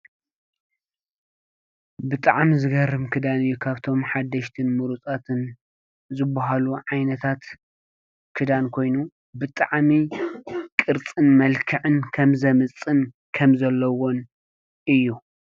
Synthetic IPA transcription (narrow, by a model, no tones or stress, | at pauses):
bɨt̪ʼaʕmizɨɡɐrɨmkʰɨd̪anɨjːukʰaβt̪ʰo̞mħad̪ːɐʃt̪ʰɨnmuɾut͡sʼat̪ʰɨn | zɨbːaɦaluʕajnɐt̪ʰat̪ | kʰɨd̪ankʰo̞jnu | bɨt̪ʼaʕmi | kʼɨɾt͡sʼɨnmɐlkʰɨʕɨnkʰɐmzɐmɨt͡sʼːɨn | kʰɐmzɐlːɐwo̞n | ʔɨjːu